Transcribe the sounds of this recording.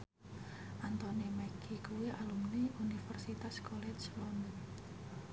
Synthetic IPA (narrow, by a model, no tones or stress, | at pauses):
ʔant̪onimɛkikuwiʔalumniunifərsit̪askɔlɛt͡ʃlɔnə